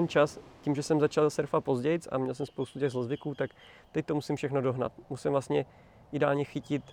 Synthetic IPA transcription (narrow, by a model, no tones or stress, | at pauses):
ɛnt͡ʃascimʒɛsɛmzat͡ʃalsɛɾfat̪̚po̞zɟɛjɪt͡sa̰mɲɛls̬ɛmspowst̪ucɛɣzlozvɪkuːt̪ak | t̪ɛc̚t̪o̞musɪmfʃɛxnodo̞ɦna̰t̪musɪmvlast̪ɲɛ | ʔɪdɛa̰ːlɲɛxɪcɪt̪